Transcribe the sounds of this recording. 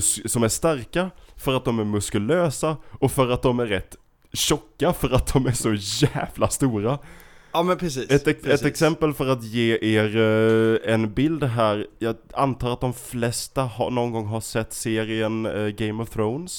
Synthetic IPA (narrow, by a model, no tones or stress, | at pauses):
sɔmæʂt̪aɾkafœɾat̪̚d̪ɔmæɾmɵskɵløːsaɔfœɾat̪̚d̪ɔmæɾːɛt̪ː | ɕɔkːafœɾat̪̚d̪ɔmæɾʂɔjæːvlast̪uːɾaɑmɛnpʰɾɛsiːɛt̪ɛɛt̪ɛksɛmpəlfœɾat̪jeːʔeːɾ | ɛnbɪld̪ɦæːɾjɑːa̰nt̪ʰɑːɾat̪̚d̪ɔmflɛst̪ahɑ̰nɔnɡɔŋːɦasɛt̪ːseːɾɪənɡɛɪmɔvθɾoʊns